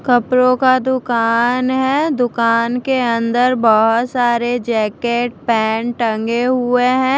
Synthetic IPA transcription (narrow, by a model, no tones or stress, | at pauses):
kɐpɾõkad̪ʊkaːnɦɛːd̪ʊkaːnkeɐ̃nd̪əɾbɔɦʊt̪saːɾed͡ʒɛːkeːʈ̚pɛːɳʈɐ̃ŋɡeɦʊeɦɛ̃ː